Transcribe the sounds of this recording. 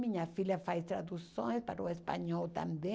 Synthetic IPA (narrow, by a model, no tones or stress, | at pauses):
miɲafilafajst̪ɾad̪usõspa̰ɾuespa̰ɲɔwt̪a̰mbẽ